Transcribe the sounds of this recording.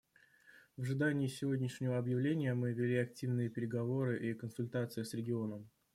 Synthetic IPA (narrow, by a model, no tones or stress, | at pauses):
vəʐɨd̪anʲɪːsʲɪvodʲnʲɪʂnʲɪvəɐbjɪvlʲenʲɪjəmɨvʲɪlʲiɐk̚tʲivnɨjəpʲɪɾʲɪɡɐvo̞ɾɨʔikənsʊlʲt̪at̪sɨjɪsɾʲɪɡʲɪo̞nəm